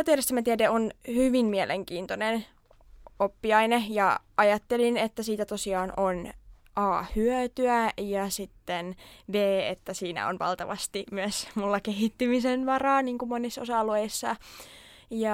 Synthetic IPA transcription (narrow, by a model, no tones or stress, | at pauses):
t̪ieɾest̪æmæt̪iædeʔonhyʋimmielʔeŋkiːnt̪onen | opːiɑinejɑʔɑjɑt̪ːelinet̪ːæsiːt̪æt̪osiɑːnon | ʔɑːhyøt̪yæjɑsit̪ːenbeːḛt̪ːæsiːnæ̰o̰nʋɑ̰lt̪ɑʋɑst̪imyøsmulːɑkeɦit̪ːymisenʋɑrɑːniːŋkumonisːosɑlueisːɑ | jɑ